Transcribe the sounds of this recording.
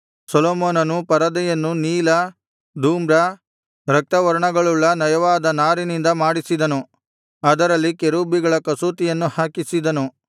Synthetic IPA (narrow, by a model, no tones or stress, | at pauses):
sɔloːmoːnɐnupɐɾɐd̪ɛjɐnːuniːlɐ | d̪ʱuːmɾɐ | ɾɐk̚t̪ɐʋɐɾɐɳɐɡɐɭuɭːɐnɐjɐʋaːd̪ɐnaːɾinind̪ɐmaːɽisid̪ɐnu | ɐd̪ɐɾɐlːikeɾuːbiɡɐɭɐkɐsuːt̪ijɐnːuhaːkisid̪ɐnu